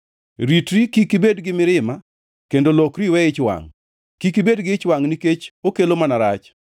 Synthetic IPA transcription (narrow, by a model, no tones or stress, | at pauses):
ɾitɾikikibedɡɪmɪɾɪma | kendolokɾiwɛɪt͡ʃwa̰ŋ | kikibedɡɪt͡ʃwaŋniket͡ʃokelomanaɾat͡ʃ